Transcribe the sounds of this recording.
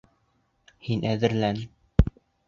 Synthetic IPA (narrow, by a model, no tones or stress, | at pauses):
hinʔæðɘ̆ɾlæn